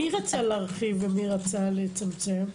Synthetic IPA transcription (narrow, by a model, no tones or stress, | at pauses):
iʁat͡saleaʁχivemiʁat͡salet͡samt͡sem